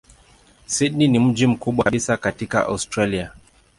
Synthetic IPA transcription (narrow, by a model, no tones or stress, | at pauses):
siɗninim̩d͡ʒim̩kuɓwaɓisakatika̰ʔa̰ustɾalia